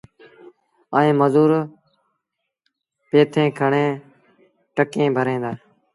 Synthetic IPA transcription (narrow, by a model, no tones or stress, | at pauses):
əːĩːməzuːɾ | peːt̪ʰẽːkʰəɳẽː | ʈəkẽːbʱəɾẽːd̪aː